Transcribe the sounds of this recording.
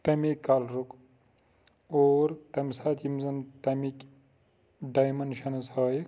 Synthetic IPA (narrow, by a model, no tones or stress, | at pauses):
t̪ɐmikːaːlɾuk | oːɾt̪ɐmsaːt̪ʰimzɐnt̪ɐmikʲ | ɖajmɐnʃɐnɐsɐj